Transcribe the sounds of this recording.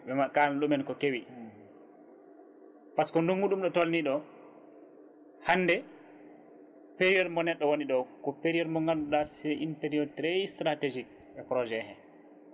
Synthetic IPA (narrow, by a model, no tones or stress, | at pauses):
ɓɛmakanlumɛnkɔkewi | paskɔnduŋɡuɗumɗɔtolniɗɔ | hanːdɛ | peɾiɛɾmɔnɛɗːɔwoniɗɔkɔpeɾiɛɾmɔŋɡanɗuɗasɛʔinteɾiotɾɛjstɾated͡ʒik̚ | ɛpɾɔd͡ʒɛhɛ